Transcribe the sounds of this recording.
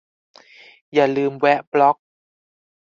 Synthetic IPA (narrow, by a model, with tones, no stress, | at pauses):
jaː˨˩lɯː˧mwɛ˦˥ʔblɔ˦˥k̚